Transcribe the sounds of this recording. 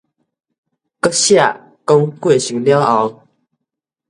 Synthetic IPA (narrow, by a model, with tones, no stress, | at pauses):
kə˥ɕja˥˨˩ | ko˥ŋkwe˥˩ɕi˨˥˦ŋljɑ˥ʊɑ˨˦ʊ